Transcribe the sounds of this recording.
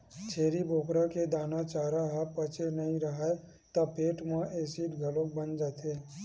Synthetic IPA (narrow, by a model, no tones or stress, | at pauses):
t͡ʃʰeːɾiboːkɾaked̪aːnat͡ʃaːɾaɦəpət͡ʃenəɦĩɾəɦae | t̪ɔpeːʈmãʔeːsiʈɡʱəlõk̚bənd͡ʒaːt̪eː